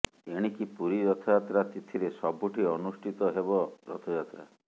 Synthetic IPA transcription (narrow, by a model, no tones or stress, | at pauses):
eɽ̃ikipuɾiɾɔt̪ʰɔjat̪ɾat̪it̪ʰiɾesɔbʱuʈʰiɔnusʈʰit̪ɔɦebɔɾɔt̪ʰɔjat̪ɾa̰